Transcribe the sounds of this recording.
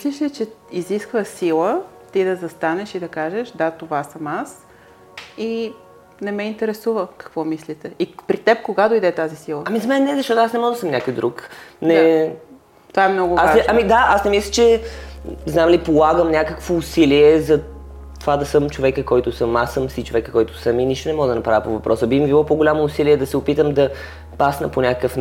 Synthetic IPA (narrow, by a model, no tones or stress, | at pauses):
mislʲiʃlʲit͡ʃɛiziskvəsilˠə | t̪id̪ɐzɐst̪anɛʃid̪ɐkaʒɛʃd̪at̪ovasəmas | i | nɛmɛint̪ɛɾɛsuvəkɐ̥kvɔmislʲit̪ɛipɾit̪ɛp̚koɡad̪oid̪ɛt̪azisilˠəɐmizɐmɛnːɛzɐʃt̪ɔt̪oasnɛmɔʒd̪səmnʲakojd̪ɾuknɛ | t̪oaɛmnɔɡʊasɛɐmid̪aʔasnɛmislʲət͡ʃɛ | znamlipolˠaɡəmnʲakəkvoːsiliɛzɐ | t̪ovad̪ɐsəmt͡ʃovɛkəkɔjt̪ʊsəmasəmsit͡ʃovɛkəkɔjt̪ʊ̥səminiʃt̪onɛmɔɡd̪ɐnɐpɾavəpovɐpɾʔɔsəbimivilˠɔpoɡolʲamoːsiliɛd̪ɐsɛʊpit̪əmd̪ɐ | pasnəponʲakəkəfn